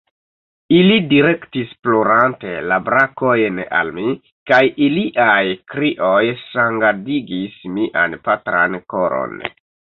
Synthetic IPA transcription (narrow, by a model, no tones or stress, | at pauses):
ilidiɾe̞ktisploɾante̞̰labɾako̞jna̰lmi | kajiliʔajkɾiʔo̞jsaŋɡadiɡismiʔa̰npatɾa̰nko̞ɾo̰n